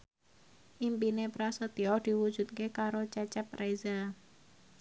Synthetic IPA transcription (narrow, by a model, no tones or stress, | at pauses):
ʔimpinepɾasət̪iɔd̥iwu̥d͡ʒut̪̚kekaɾot͡ʃɛt͡ʃɛp̚rajza